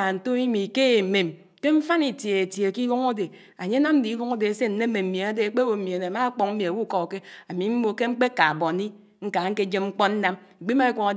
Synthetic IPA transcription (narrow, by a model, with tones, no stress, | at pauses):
n̩˨to˦i˦mi˨ke˦e˨me˨m | ke˦ɱ̩˦fa˦ni˨tje˨e˨tje˨ki˦lu˦ŋo˦de˨ | a˨ɲe˦na˦mn̩˦di˨˦lu˦ŋo˦de˨˦se˦n̩˨ne˦me˨m̩˦m˨e˨a˦de˨k͡pe˦wo˨m̩˦mi˨e˨ne˨ma˦k͡po˨ŋ̩˦mi˨a˨wu˦˨kɔ˨ke˦a˨mi˨m̩˦mo˨ke˦ŋ͡m̩˦k͡pe˦ka˨bɔ˨ni˦ | ŋ̩˦ka˨ŋ̩˦ke˦d͡ʒe˦mŋ͡m̩˦k͡pɔ˦n̩˦na˦m | i˨ɡ͡bi˦ma˦i˦kʷo˨ŋa˨